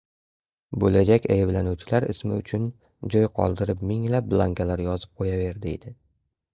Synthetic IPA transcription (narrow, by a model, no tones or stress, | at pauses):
bolad͡ʒakʲʰajɪblanuwt͡ʃʰɪlaɾɪ̰smɪ̰ʊt͡ʃʰʊn | d͡ʒɒjqʰɒ̰lˠd̪ɪɾɪpmɪŋlap̚blˠaŋkʲalaɾjɒzɪp̚qʰojave̞ɾd̪ɪḛd̪ɪ